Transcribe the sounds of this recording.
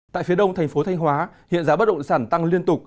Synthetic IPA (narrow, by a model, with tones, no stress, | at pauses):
t̪a̰ː˧˨jfi˨˦əɗə˧wŋ͡mt̪ʰa˨˩jŋ̟fo˨˦t̪ʰjŋɦwaː˨˦hḭ˧˨ənzaː˨˦ɓə˦˥t̚ɗə̰˧˨wŋ͡msaː˧˩nt̪a˧ŋli˧ənt̪ʊ˨˩k͡p̚